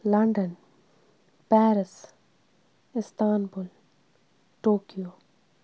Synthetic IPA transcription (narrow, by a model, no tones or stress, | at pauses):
lɐɳɖən | pɛːɾɪs | ɪst̪aːnbul | ʈoːkijoː